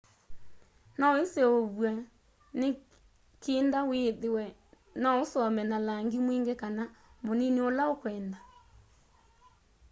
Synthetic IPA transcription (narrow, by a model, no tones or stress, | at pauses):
naeseoβwa | ne | keːndaweðewɛ | naosɔmɛnalaŋɡemweːŋɡekanamonineolaokwɛːnda